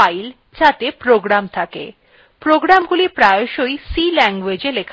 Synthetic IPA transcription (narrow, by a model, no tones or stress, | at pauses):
ajl | t͡ɕat̪epɾoɡɾamt̪ʰakḛ | pɾoɡɾamɡulipɾajoʃojsilɛŋɡwed͡ʑelekʰ